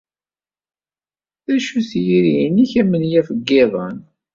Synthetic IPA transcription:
θæʃuθjiɾiniçæmːənjæfəɡːɪðˤɑ̰n

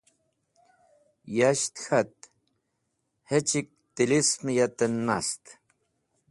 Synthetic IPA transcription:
jaʃt̪xat̪̚ | het͡ʃik̚t̪ilismijat̪ənːast̪

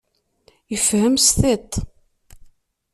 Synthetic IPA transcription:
jəfhəmsθit̪ˤ

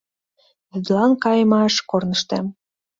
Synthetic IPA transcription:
βyd̪lɑnkɑjəmɑʃkornə̆ʃt̪æm

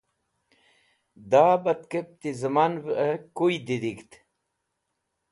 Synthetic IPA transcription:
d̪aːbɐt̪kep̚t̪izəmanbəkujd̪id̪iɡt̪

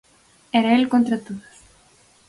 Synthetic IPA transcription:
ɛɾaelkont̪ɾat̪oðas

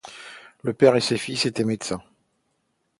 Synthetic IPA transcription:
ləpɛʁesefiset̪ɛmed̪sɛ̃

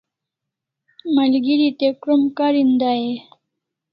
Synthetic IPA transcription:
malɡiɾit̪ekɾumkaɾind̪aje

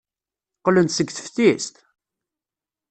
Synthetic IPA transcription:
qlənt̪səɡθə̥fθist̪

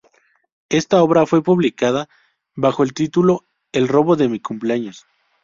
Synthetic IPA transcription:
e̞st̪ao̞βɾafwe̞puβlikaða | βaxo̞elt̪it̪ulo̞ | e̞lro̞βo̞ðe̞mikumpleaɲo̞s

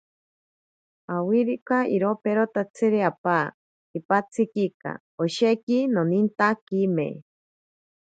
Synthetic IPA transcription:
awiɾikaiɾopeɾot̪at͡sʰɨɾeapaː | ipat͡sʰɨkika̰ | oʃekinonint̪akimḛ

